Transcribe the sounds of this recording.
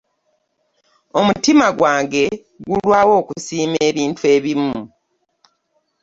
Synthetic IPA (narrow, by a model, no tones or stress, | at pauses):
o̞mutimaɡwaːŋɡe̞ | ɡulwaːwo̞ːkusiːme̞ːβiːntue̞ːβimu